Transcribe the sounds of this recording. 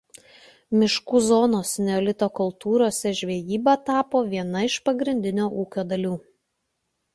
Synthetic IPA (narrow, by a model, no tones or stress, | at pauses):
mʲɪʃkuːzɔːnoːsnʲɛoːlʲɪt̪oːkʊlˠt̪uːɾoːsʲɛʒʲʋʲejiːbɑːt̪ɑːpoːʋʲiɛnɐɪʃpɐɡɾʲɪnʲd̪ʲɪnʲoːʔuːkʲoːd̪ɐlʲuː